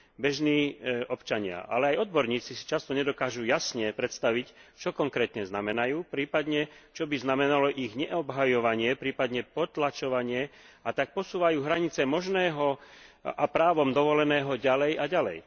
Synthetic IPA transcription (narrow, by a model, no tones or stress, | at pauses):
bɛʒniːɔpt͡ʃaɲɪa̰ʔa̰lɛajɔd̪̚bɔɾɲiːt͡sisi̥t͡ʃast̪ɔɲɛd̪ɔkaːʒujasɲɛpɾɛt̪st̪aʋict͡ʃɔkɔŋkɾɛːt̪ɲɛznamɛnajuːpɾiːpad̪ɲɛt͡ʃɔbiznamɛnalɔʔiɣɲɛɔbɦajɔʋaɲɪɛpɾiːpad̪ɲɛpɔt̪lat͡ʃɔʋaɲɪɛ | at̪ak̚pɔsuːʋajuːɦɾaɲit͡sɛmɔʒnɛːɦɔ | apɾaːʋɔmd̪ɔʋɔlɛnɛːɦɔɟalɛjaɟalɛ̰j